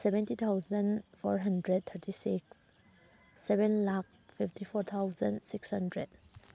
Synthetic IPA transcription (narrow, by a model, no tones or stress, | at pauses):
sɛvɛ̃ntit̪ʰawzə̃nfɔ̰ɹɦɐndɾɛd̚t̪ʰəɾtisiksː | ɛvɛ̃nlak̚fiftifɔɾt̪ʰawzə̰̃nsikshɐndɾɛd̚